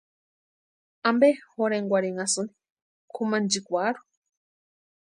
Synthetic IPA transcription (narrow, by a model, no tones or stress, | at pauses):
ambehoɾeŋɡʷaɾeŋasɨni̥ | kʰumand͡ʒikʷaɾu̥